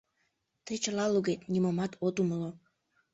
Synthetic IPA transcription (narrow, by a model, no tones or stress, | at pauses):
t̪əjt͡ɕəlɑluɣet̪nʲimomɑt̪ʰot̪uməlo